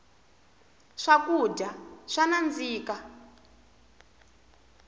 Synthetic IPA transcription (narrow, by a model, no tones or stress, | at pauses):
ʂakuɟaʂanand͡ziːka